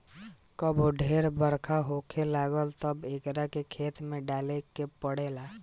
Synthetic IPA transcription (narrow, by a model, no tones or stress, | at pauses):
kəbʱoɖʱeɾbəɾkʰaɦokʰelaɡəlt̪əbekɾakekʰet̪mẽɖalekepəɽela